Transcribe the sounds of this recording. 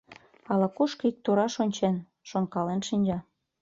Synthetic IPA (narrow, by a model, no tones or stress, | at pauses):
ɑlɑkuʃkɤik̚t̪uɾɑʃonʲt͡ɕen | ʃonkɑlenʃinʲd͡ʑɑ